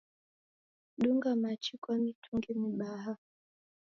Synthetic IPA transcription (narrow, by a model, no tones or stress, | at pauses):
ɗuŋɡamat͡ʃikwamitʰuŋɡɛmiɓaɦa